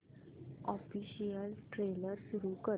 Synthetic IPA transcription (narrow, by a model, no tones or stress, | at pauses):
ɔfiɕijəlʈɾeləɾsuɾuːkə